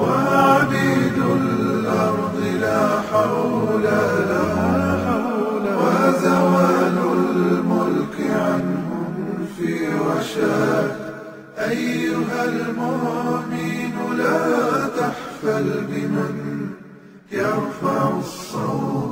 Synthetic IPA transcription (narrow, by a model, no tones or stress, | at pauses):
waʕabiːd̪ʊl | ʔɑɾˤd̪ˤɨlaːħaw | la | wazawaːlʊllmʊlkɪʕanhʊmfiːɾɑʃaː | ʔajːʊɦalmʊːmiːnlaːt̪aħfalbɪman | jaɾfaʕʊsˤːɑw